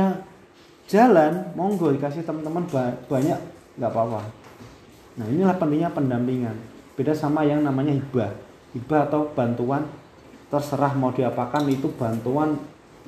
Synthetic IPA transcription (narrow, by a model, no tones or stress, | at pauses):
ḁ | d͡ʒ̥a̤lanmɔŋɡodikasɪht̪əmənt̪əmənbab̥a̤ɲaʔ | ŋɡaʔpawah | nahinilahpənt̪iŋɲapəndampiŋanb̥edasamajaŋnamaɲaɦib̥ah | hibaːt̪awb̥a̤nt̪uan | t̪ərsəɾahmaud̥iapakanit̪ub̥a̤nt̪uan